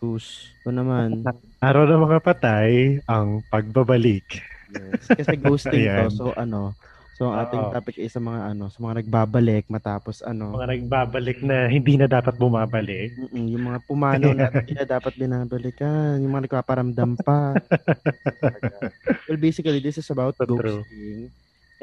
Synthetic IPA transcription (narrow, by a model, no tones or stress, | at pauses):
t̪uskonɐman | ʔɐɾawnɐmɐŋapɐt̪ajʔɐŋpɐɡ̚bɐbɐlɪkjɛskɐsɛɡoːst̪ɪt̪osoʔɐno̞ | soɐŋʔaːt̪ɪŋt̪aːpɪk̚ʔɐjsɐmɐŋaʔɐno̞sɐmɐŋanɐɡ̚baːbɐlɛk̚mɐt̪aːpo̞sʔɐ̰no̞mɐŋanɐɡ̚baːbɐlɪk̚nɐhɪnd̪iːnɐd̪aːpɐt̪̚bʊmaːbɐlɪk̚m̩ːʔm̩jʊŋmɐŋapʊmaːnonaːt̪ɪnɐd̪aːpɐt̪̚bɪnaːbɐlɪkɐnjʊŋmɐŋanɐɡ̚paːpɐɾɐmd̪ɐmpɐ | wɛlbejsɪkɐlid̪ɪsɪsɐbawt̪ɡowst̪ɪŋ